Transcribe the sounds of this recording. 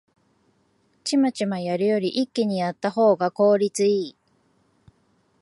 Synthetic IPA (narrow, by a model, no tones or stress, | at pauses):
t͡ɕimat͡ɕimajaɾɯ̟jo̞ɾʲiʔikʲːiɲ̟ijat̪ːaɦo̞ːɡako̞ːɾʲit͡sɨiː